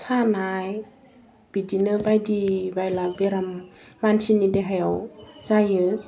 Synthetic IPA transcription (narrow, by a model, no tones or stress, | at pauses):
sʰaːnaːj | b̥idinɯbajdibajlabeɾammaːnsʰinideɦajawsajɯ